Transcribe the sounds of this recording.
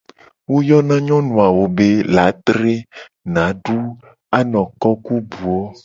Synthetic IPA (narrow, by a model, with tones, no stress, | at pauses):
wo˦jɔ˦nã˦ɲɔ̃˦nũ˨a˨wo˨be˦la˨˦t̪ɾe˦ | nã˨˦ɖu˦ | a˦nɔ̃˨kɔ˦ku˦bu˨o˦